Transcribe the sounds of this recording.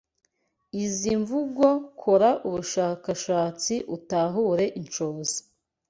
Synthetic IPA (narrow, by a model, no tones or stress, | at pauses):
iziɱvuɡo̞kʰoɾaʔuβuʃaːkaʃaːt͡siʔutaɦuːɾe̞ʔint͡ʃo̞ːzi̥